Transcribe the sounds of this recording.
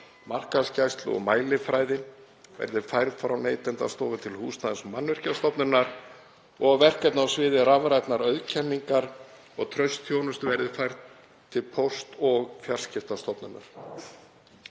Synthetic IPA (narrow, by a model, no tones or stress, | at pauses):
mar̥kascajst̪lɔ̰ɣmaːjlɪfɾaːjðɪ | vɛ̰ɾðɪfajɾðfɾawnejt̪ɛnt̪a̰st̪ɔːvʏt̪ʰɪlhuːsnaðɛnsɔmanːvʏr̥cast̪ɔpnʏnaɾ̥ | ɔɣavɛr̥kɛp̪nawsvɪːðɪɾavɾajt̪naɾœðcʰɛnːiŋkaɾ | ɔ̰ɣt̪ʰɾœɥst̪ʰːjɔːnʏst̪vɛɾðɪfajɾ̥ð | t̪ʰːɪlpʰɔst̪ɔɣfjar̥scɪft̪ast̪ɔpnʏnːa̰ɾ̥